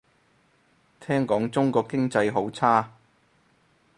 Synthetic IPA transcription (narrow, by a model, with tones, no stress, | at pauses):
t̪ʰɛː˥ŋkɔː˨˥ŋt͡sʊ˥ŋkɔː˧kɪ˥ŋt͡sɐ˧jɦo˨˥wt͡sʰaː˥